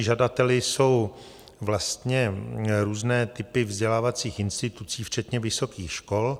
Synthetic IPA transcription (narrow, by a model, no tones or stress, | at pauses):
ʒadat̪ɛlɪso̞w | vlast̪ɲɛɾuːznɛːt̪ɪpɪvzɟɛlaːvat͡siːxɪnst̪ɪt̪ut͡siːft͡ʃɛt̪ɲɛvɪso̞kiːxʃko̞l